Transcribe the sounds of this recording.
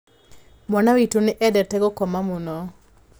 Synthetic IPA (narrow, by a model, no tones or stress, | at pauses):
mwanawitonɪʔɛdɛtɛɡɔkɔmamunɔ